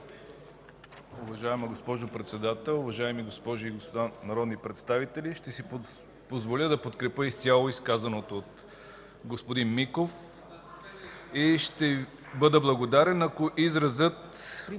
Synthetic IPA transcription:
ʊvɐʒaɛmɐɡospɔʒopɾɛt̪sɛd̪at̪ɛlˠʊvɐʒaɛmiɡospɔʒʊiɡospod̪anɐɾɔd̪nipɾɛt̪st̪avit̪ɛliʃt̪ɛsi | pozvolʲəd̪ɐpot̪kɾɛpəist̪ʲalˠoiskazɐnot̪oːt̪ | ɡospod̪inmikof | iʃt̪ɛ | bɤd̪əblˠɐɡod̪aɾɛnɐkoʔizɾɐzət̪

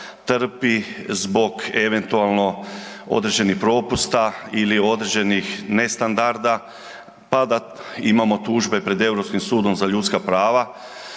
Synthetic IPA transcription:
t̪r̩pizbo̞ɡe̞ʋe̞nt̪ualˠno̞o̰d̪ɾed͡ʑe̞nixpɾo̞pust̪ailio̞d̪ɾed͡ʑe̞nixne̞st̪and̪aɾd̪a | pad̪a | imamo̞t̪uʒbe̞pɾe̞d̪e̞wɾopskimsuːd̪o̞mzaʎut̪skapɾaːʋa

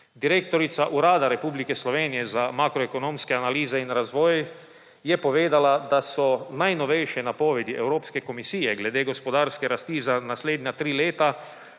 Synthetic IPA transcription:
d̪iɾeːkt̪ɔɾit̪saʔuɾaːd̪aɾɛpublikɛslɔʋeːnijɛzamaːkɾɔekonõːmskɛanaliːzɛinɾazʋɔːj | jɛpɔʋeːd̪alad̪asɔnajnɔʋɛjʃjɛnapoʋɛd̪iʔɛwɾoːpskɛkomisiːjɛɡlɛd̪eːɡospɔd̪aːɾskɛɾast̪izanasleːd̪nʲat̪ɾiːleːt̪a

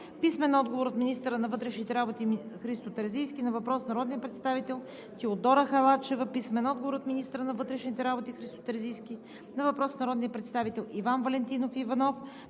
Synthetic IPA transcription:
pismɛnɔd̪ɡovoɾot̪minist̪əɾənɐvɤt̪ɾɛʃnit̪ɛɾabot̪ixɾist̪ot̪ɐɾzijskinɐvɐpɾɔsnɐɾɔd̪nijəpɾɛt̪st̪avit̪ɛlˠ | t̪iod̪ɔɾəxɐlˠat͡ʃɛvəpismɛnɔd̪̚ɡovoɾot̪minist̪əɾənɐvɤt̪ɾɛʃnit̪ɛɾabot̪ixɾist̪o̥t̪əɾzijskʲi | nɐvɐpɾɔsnɐɾɔd̪nijəpɾɛt̪st̪avit̪ɛlˠivanvɐlɛnt̪inofivɐnɔf

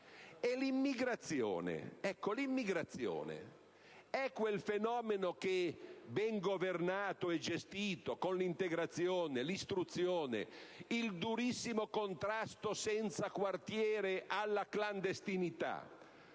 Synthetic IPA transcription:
elimːiɡɾat̪sːjo̰ːnḛɛkːolimːiɡɾat̪sːjo̰ːnḛ | ɛkːwelfenɔːmenok̟ebɛŋɡovernaːt̪oɛd͡ʒest̪iːt̪okonlint̪eɡɾat̪sːjoːnelist̪ɾut̪sːjoːnḛild̪uɾisːimokont̪ɾast̪osɛnt̪sakwart̪jɛːɾeʔalːakland̪est̪init̪a̰

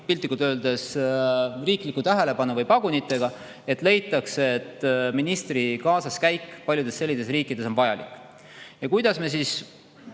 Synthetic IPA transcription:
pilt̪ːˑikːut̪ø̞ːld̪̥e̞s | riːklikːˑut̪æɦe̞le̞pɑnuvɤjpɑɡ̥unit̪ːˑe̞ɡ̥ɑ | e̞t̪ːˑle̞jt̪ːˑɑkset̪ːˑminist̪rikɑːsɑskæjkːˑpɑlʲjud̪̥esːe̞lʲːid̪̥e̞s̬riːkːˑid̪̥e̞so̞nvɑjɑlḭkːˑ | jɑkujd̪̥ɑsme̞s̬iːs

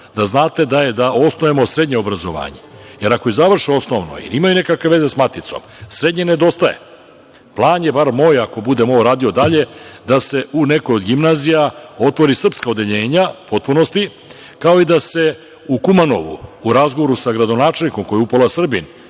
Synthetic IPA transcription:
d̪aznaːt̪e̞d̪aje̞d̪ao̞snoemo̞sɾe̞d̪ɲeobɾazo̞̰ʋa̰ːɲeje̞ɾakojizaʋr̩ʃio̞sno̞ʋno̰ḭɾimajune̞kakʋeʋe̞ze̞smat̪it̪so̞̰msɾe̞d̪ɲe̞ne̞d̪o̞st̪aje̞̰ | plˠaːnje̞baɾmo̞ːjako̞bud̪e̞moɾaːd̪io̞d̪aʎe̞d̪ase̞ʔune̞kojo̞d̪ɡimnazijao̞t̪ʋo̞ɾisr̩pskaod̪e̞ʎe̞ːɲapo̞t̪̚puno̞st̪i | kao̞id̪ase̞ | ukumano̞̰ʋṵːɾazɡoʋo̞ɾusaɡɾad̪o̞naːt͡ʃelniko̞mko̞jeupolasr̩bin

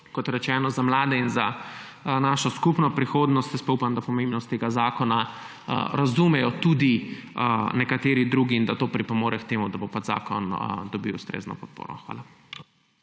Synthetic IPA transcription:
kɔt̪ɾɛt͡ʃɛːnɔzamlaːd̪ɛinza | naːʃɔskupnɔpɾixoːd̪nɔst̪jɛspɔupamd̪apɔmẽmbnɔst̪ːeɡazaːkɔna̰ | ɾazumɛjɔt̪ud̪i | nɛkat̪eːɾid̪ɾuːɡind̪at̪oːpɾipɔmoːɾɛkt̪eːmud̪abopad͡ʒza̰ːkɔnd̪ɔbiwust̪ɾḛːznɔ̰pɔt̪̚po̰ːɾɔ̰xʋa̰ːla

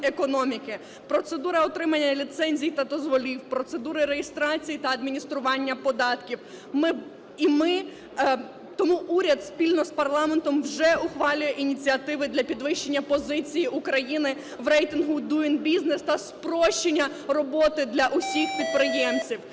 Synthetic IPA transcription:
ekɔnɔmʲikɪ | pɾɔt̪sed̪uɾɐɔt̪ɾɪmɐnʲːɐlʲit̪sɛnʲzʲijt̪ɐd̪ɔzʋɔlʲiwpɾɔt̪se̞d̪uɾɪɾejist̪ɾɑt͡sʲijit̪ɐɐd̪mʲinʲist̪ɾʊʋɑnʲːɐpɔd̪ɑt̪kʲiw | mɪ | imɪ | t̪ɔmuʔuɾʲɐd̪spʲilʲnɔspɐrlˠɑment̪ɔmwʒɛʊxʋɑlʲʊjɛʔinʲit͡sʲiɐt̪ɪʋɪd̪lʲɐpʲid̪ʋɪʃt͡ʃe̞nʲːɐpɔzɪt͡sʲijiʔukɾɐjinɪ | ʋɾɛjt̪ɪnɦʊd̪uinbʲiznest̪ɐspɾɔʃt͡ʃenʲːɐ | rɔbɔt̪ɪd̪lʲɐʔʊsʲixpʲid̪̚pɾɪjɛmt͡sʲiw

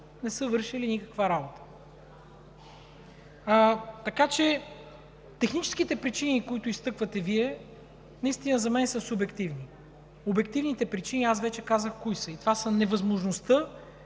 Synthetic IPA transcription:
nɛsɤvɤɾʃilinikə̥kvaɾabot̪ə̥ | t̪ɐkat͡ʃɛ | t̪ɛxnit͡ʃɛ̥sk̟it̪ɛpɾit͡ʃinikoit̪ʊist̪ɤkvət̪ɛviɛ | nɐist̪inəzɐmɛnsəsubɛkt̪ivni | obɛkt̪ivnit̪ɛpɾit͡ʃiniasvɛt͡ʃɛkazəxkoisəit̪ovasənɛvɐzmoʒnost̪ə

